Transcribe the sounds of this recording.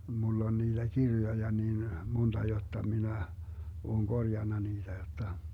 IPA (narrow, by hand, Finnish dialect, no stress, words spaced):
mulː on niːd̥æ kirjojɑ niːn montɑ jotːɑ minæ oːŋ ɡ̊orjɑnːɑ niːd̥æ jotːɑ